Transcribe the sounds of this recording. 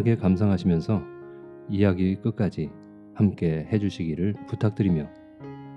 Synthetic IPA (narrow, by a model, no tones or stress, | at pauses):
ɡe̞kams̬ʰaŋɦaɕʰimjʌnsʰʌ | ijaɡik͈ɯk̚k͈ad͡ʑi | hamk͈e̞he̞d͡ʑuɕʰiɡiɾɯɭputʰak̚t͈ɯɾimjo